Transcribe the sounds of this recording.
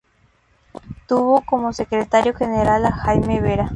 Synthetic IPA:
t̪uβokomosekɾet̪aɾjoxeneɾalahajmeβeɾa

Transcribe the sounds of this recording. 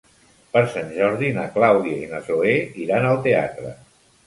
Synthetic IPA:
pəɾsanʲʒɔɾðinəklawðiainəsoeiɾanəlˠt̪ea̰t̪ɾə̰

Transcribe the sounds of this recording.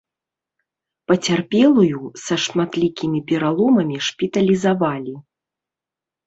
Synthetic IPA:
pɐt͡sʲarpʲɛlˠujusɐʂmat̪lʲikʲimʲipʲɛɾalˠɔmɐmʲiʂpʲit̪ɐlʲizavalʲi

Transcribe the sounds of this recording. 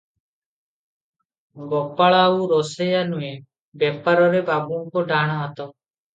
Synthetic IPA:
ɡɔpaɭaːuɾɔsejanue | bjɛpaɾɔɾebabuŋkɔɖaɽ̃ɔat̪ɔ

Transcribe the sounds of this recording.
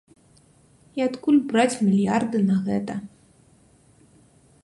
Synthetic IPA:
iat̪kulʲbɾat͡sʲmʲilʲjard̪ɨnɐɣɛt̪ɐ

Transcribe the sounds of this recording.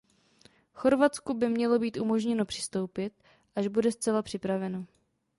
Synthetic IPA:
xo̞ɾvat͡skubɪmɲɛlo̞biːt̪ʔumo̞ʒɲɛno̞pr̝̥ɪ̥st̪o̞wpɪt̪̚ | ʔaʒbudɛst͡sɛlapr̝̥ɪpɾavɛno

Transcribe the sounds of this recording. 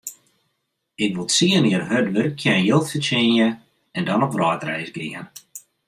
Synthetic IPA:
ɪkʋɪlˠsiəniərɦødʋørkʰjɛnjɪlˠtfət͡ʃenjə | ɛndɔnɔpʋrɔːtrɛ̰jzɡriən

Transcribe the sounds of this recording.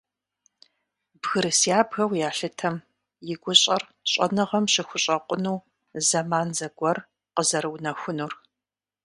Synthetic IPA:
bɣɨɾɨsjaːbɣɐwjaːɬɨtʰɐm | jɪɡʷʊɕʼɐrɕʼɐ̰nɨʁɐmɕɪxʷʊɕʼɐqʷʊnuː | zɐmaːnzɐɡʷɔr | qəzɐɾɨwnɐxʷʊnuːr

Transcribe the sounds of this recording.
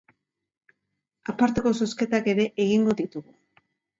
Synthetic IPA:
apaɾt̪e̞ko̞so̞ske̞t̪ake̞ɾe̞ʔeɣ̞iŋɡo̞ðit̪uɣu

